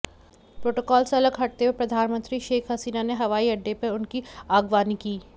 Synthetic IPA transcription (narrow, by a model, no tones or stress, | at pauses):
pɾoːʈoːkɔːlseɐləɡɦɐʈ̚t̪ewepɾɐd̪ʱaːnmə̃nt̪ɾiʃeːkʰɦɐsiːnaneɦɐʋaːiɐɖːepɐɾʊnkiaːɡʋaːnikiː